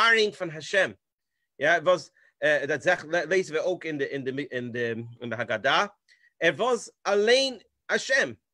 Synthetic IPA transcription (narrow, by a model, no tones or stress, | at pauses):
aɾɪŋfɪnɦaʃɛm | javɔs | ɛdatzɛχɛlˠeɪsvəoʊkɪndɪɪndɪmɪɪndɪɪndɪɦaɡada | ɛɾvɔsalˠeɪn | haʃɛm